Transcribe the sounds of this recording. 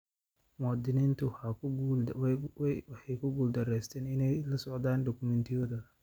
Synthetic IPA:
mɔd̪ɪnɪnt̪ʊha | wɐħɛjkʊɡuld̪ɐɾɛːst̪ʰɛːnɪnɛjlɐsɔʕd̪aːndɔkʊmɛnt̪ɪjɔd̪ɐ

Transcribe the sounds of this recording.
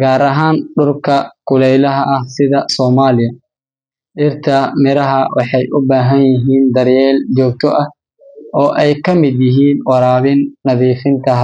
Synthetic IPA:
ɡaːɾɐɦaːnɗʊrkʰɐkʰʊlɛjlɐɦɐʔɐhsɪðɐsɔːmaːlɪjɐ | ɗɪrt̪ʰɐmɪɾɐɦɐwɑħɑjʔʊbaːɦɐnjɪɦiːnd̪ɐɾjɛːld͡ʒɔːɡ̚t̪ʰɔʔɐh | ʔɔːʔɛjkʰɐmɪd̪jɪɦiːnwɑɾaːβɪnːɐðiːfɪnt̪ʰɐɦ

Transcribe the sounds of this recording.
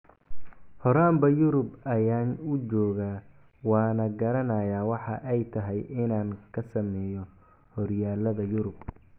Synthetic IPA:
hɔɾaːmbɐjʊɾʊbɐjaːnʊt͡ʃɔːɣaː | wɑːnɐɡɐɾɐnɐjaːwɑħɑʔɛjt̪ʰɐɦɛjɪnaːŋkʰɐsɐmɛːjɔ | hɔrjaːlɐðɐjʊɾʊb

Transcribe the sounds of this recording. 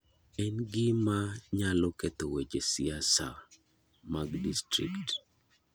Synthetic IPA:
ɛnɡɪmaɲalɔkɛt̪owed͡ʒesɪasa̰ | maɡdistɾḭkt

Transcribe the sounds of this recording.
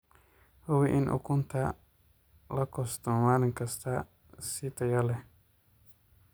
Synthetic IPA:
hʊwiʔɪnʔʊ̰kʊnta | lɐkɔstɔmwanɪŋkɐst̪ʰa | sitɐjalɛ

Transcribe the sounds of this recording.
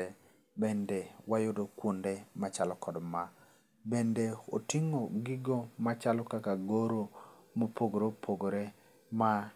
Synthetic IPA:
bendewajodokwondemat͡ʃalɔkɔdma | bendeotɪŋoɡɪɡomat͡ʃalɔkakaɡoɾo | mopʰoɡoɾopʰoɡoɾe | ma

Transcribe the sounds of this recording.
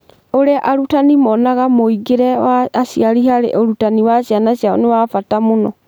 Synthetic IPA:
oɾeaʔaɾutanimɔnaɣamoiɡeɾɛwaːsiaɾiɦaɾḛʔoɾutaniwaɕianaɕjao̰newafatamonɔ

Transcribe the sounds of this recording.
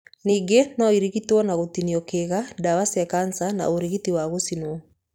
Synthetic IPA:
niːɡenɔiɾiɣitwɔnaɣotiniɔkeɣadawasɛkansana̰oɾiɣitiwaɣosinwɔ

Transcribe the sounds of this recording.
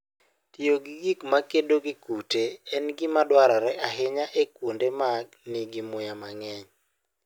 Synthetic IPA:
tioɡiɡikmakedoɡikuteɛnɡɪmadwaɾɔɾɛʔaɦɪɲaʔekwondemaɡnɪɡɪmʊjamaŋɛɲ

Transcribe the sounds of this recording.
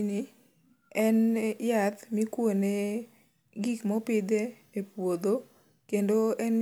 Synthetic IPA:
ni | ɛnjat̪mikwone | ɡikmɔpɪd̪e | epwod̪o | kendoɛn

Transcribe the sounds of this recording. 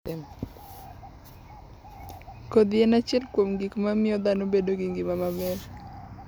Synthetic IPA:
kod̪ɪenat͡ʃɛlkwomɡikmamɪɔd̪anobedoɡɪŋɡɪmamamɛl

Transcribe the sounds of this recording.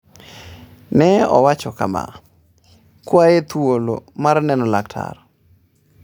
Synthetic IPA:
nɛɔ̰wat͡ʃɔka̰ma̰ | kwajet̪wolo̰marnɛnɔlak̚tʰa̰r

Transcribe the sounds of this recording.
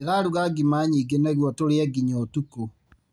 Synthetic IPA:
eɣaɾuɣaɡimaɲiːɡenɛɣwɔtoɾeɛɡiɲɔtuko

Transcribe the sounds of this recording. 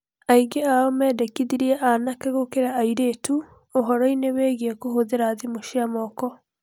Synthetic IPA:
aiɡeaɔmɛːdɛkiðiɾiaʔanakeɣokeɾaaiɾeːtu | oɦɔɾɔineweːɣiekoɦoðeɾaðimoʃiamɔːkɔ

